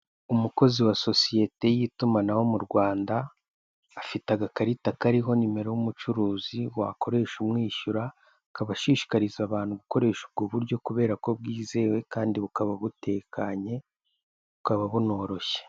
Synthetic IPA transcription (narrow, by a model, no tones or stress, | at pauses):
umuko̞ziwaso̞sije̞te̞jitumanawo̞muɾɡwaːndaː | fitaɡakaɾitakaɾiɦo̞nime̞ɾojumut͡ʃuɾuːziwakʰo̞ɾe̞ːʃumŋiːʃuɾa | kaβaʃiːʃi̥kaɾizaβaːn̥huɡuko̞ɾe̞ːʃub̚ɡoːβuɾɟo̞kuβe̞ːɾako̞b̚ɡiːze̞ːwe̞kaːndiβukaβaβute̞ːkʰaɲe̞ | βukaβaβuno̞ːɾo̞çe̥